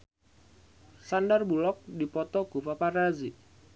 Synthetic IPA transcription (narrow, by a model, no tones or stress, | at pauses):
sandarbulɔk̚dipɔt̪ɔɡ̥upaparazi